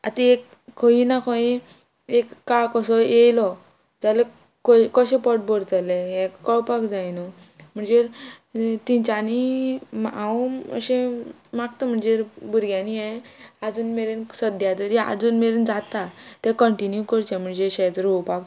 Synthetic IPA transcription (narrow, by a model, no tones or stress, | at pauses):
a̰t̪iek | kʰːɔinakʰɔĩ | ekːaɭkɔsɔjejlɔ | d͡zale | kɔkɔɕẽpɔʈ̚bɔɽt̪aleɦɛ̃kkɔɭpakd͡zajnɔ | m̤əɳd͡zeɾ | t̪ĩɲt͡ɕanimãuə̰ɕẽ | maɡt̪əm̤əɳd͡zeɾbuɾɡjãniɛ̃ad͡zuːnmeɾensəd̪jat̪əɾia̰d͡zuːnmeɾend͡zat̪at̪ɛ̃kəɳʈinjukəɾt͡ɕɛ̃m̤əɳd͡zeɕɛt̪əɾopak